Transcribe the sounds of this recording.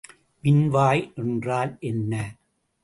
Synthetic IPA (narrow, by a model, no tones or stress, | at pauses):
mɪnʋaːjʔɛndraːlʔɛnːɐ